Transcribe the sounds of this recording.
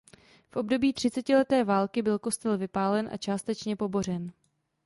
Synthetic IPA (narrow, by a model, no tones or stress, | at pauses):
fʔo̞b̚do̞biːt̪r̝̥ɪt͡sɛcɪlɛt̪ɛːvaːlkɪbɪlko̞st̪ɛlvɪpaːlɛnʔa̰t͡ʃaːst̪ɛt͡ʃɲɛpo̞bo̞rɛn